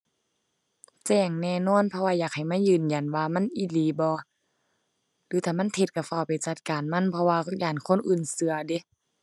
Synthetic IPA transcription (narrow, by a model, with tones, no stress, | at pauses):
t͡ɕɛː˧˩ŋnɛː˧˨nɔː˧˥˨npʰɔ˧waː˧jaː˨˩k̚ha˨˩jmaː˧˥˨jɯː˧˨nja˨˩nwaː˧ma˧˥˨nʔi˧˩liː˨˦bɔː˧˦ | lɯː˨˦t̪ʰaː˧˩ma˧˥˨nt̪ʰe˧t̪̚ka˧˩fa˧˩˨pa˨jt͡ɕa˧t̪̚kaː˨nma˧˥˨npʰɔ˧waː˧jaː˧˩ŋkʰo˧˥˨nʔɯː˧˩˨nsɯ˧˦ɐde˧˦